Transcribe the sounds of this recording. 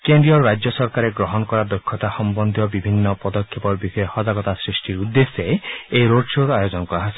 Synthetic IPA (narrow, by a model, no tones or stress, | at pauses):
kendɾiɔɾɾajd͡ʒjɔsɔɾkaɾeɡɾɔɦɔnɔkɔɾad̪ɔkʰːɔt̪ahɔmbɔnd̪ʱjɔbibʱinːɔpɔd̪ɔkʰːepɔɾbisɔɔhɔd͡ʒaɡɔt̪asɾisʈiɾud̪ːesɔejɾoɖʃoɾajɔd͡ʒɔnɔkɔaɦasi̥